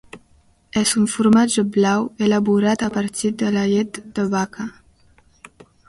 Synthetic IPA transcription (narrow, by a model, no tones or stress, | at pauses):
ɛzuɱfuɾmad͡ʒəblawelaβuɾat̪apaɾt̪id̪əlajet̪d̪əβakʰa